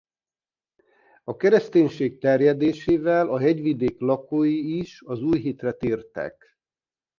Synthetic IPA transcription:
ɒkɛɾɛst̪eːɲʃeːk̚t̪ɛrjɛd̪eːʃeːvɛlʔɒɦɛɟʋid̪eːklɒkoːjiiʃɒzuːjɦit̪rɛt̪iːrt̪ɛ̰k

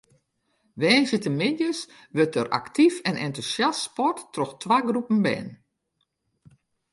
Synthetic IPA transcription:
ʋɛːnsjətəmɪdjəs | ʋøtərʔa̰ktifɛnɛntusjasspɔrtːrɔxtʰʋaːɡrupən̩bɛ̰ːn

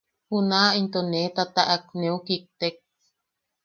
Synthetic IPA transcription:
hunaint̪onet̪at̪aʔak̚neukik̚t̪ek̚

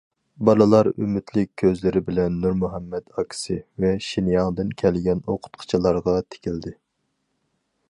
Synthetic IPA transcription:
bɑlˠɨlˠɑɾy̰mɪt̪ʰlɪkʲʰːøzlɪɾɪbɪlɛnːuɾmuɦɛmːɛd̪ɑkʲʰsɪvɛʃinjɑŋd̪ɨnkʲʰɛlɡʲɛnoqʰʊ̥t̪qʰə̥t͡ʃʰilˠɑɾʁɑt̪ʰe̥kʲʰild̪ɪ

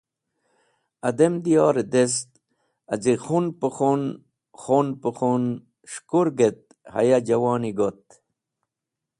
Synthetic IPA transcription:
ɐd̪emd̪ijɑːɾed̪est̪̚ | ɐzixunpəχon | χonpəχon | ʂkuɾɡet̪̚ | hɐ̰jad͡ʑɐwɑːniɡot̪̚

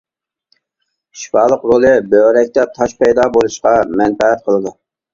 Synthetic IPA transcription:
ʃi̥fɑːlˠəqɾolˠɨbøɾɛk̚ʲt̪ɛt̪ʰɑʃpɛjd̪ɑbolˠuʃqɑmɛnpɛæt̪̚qʰəlˠɨd̪u

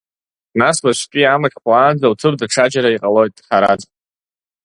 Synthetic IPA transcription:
naslaʃtʲʼiamaχʲʼpʰʼlaːnd͡zawt͡sʰɨrdʈ͡ʂʰad͡ʒaɾaiqʼalo̞jtʼħaɾa̰d͡z

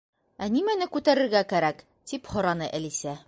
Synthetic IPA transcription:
ænimænɘkʉt̪æɾɘ̆ɾɡækæɾæk | t̪iphŏɾɑnɤʔælisæ

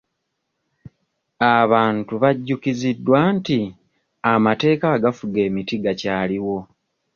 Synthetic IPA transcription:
aβaːntuβaɟːukizidːwaːnti | amate̞ːkaɡafuɡe̞ːmitiɡacaːliwo̞

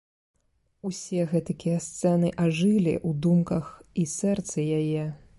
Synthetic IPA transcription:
usʲɛɣɛt̪ɨkʲijɛst̪sɛnɨʔaʐɨlʲḭʔud̪umkɐxisɛrt̪sɐjajɛ

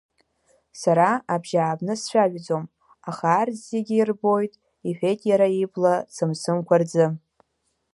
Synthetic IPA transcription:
saɾaabʒaːbnɨsʃʷᶣaʒᶣd͡zom | aχarzeɡʲiirbo̞jtʼ | iħʷᶣejtʼjaɾaiblasɨmsɨmkʷard͡zɨ

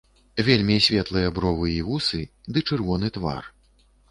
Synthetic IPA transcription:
vʲelʲmʲisʲvʲɛt̪lˠɨjɐbɾɔvɨiɣusɨd̪ɨt͡ʂɨrvɔn̪ɨt̪va̰r

